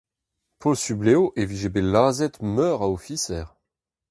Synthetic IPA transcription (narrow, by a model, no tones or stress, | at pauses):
pʰɔlsybleoʔeviʒebelaːzɛt̪mœːʁaofisɛːʁ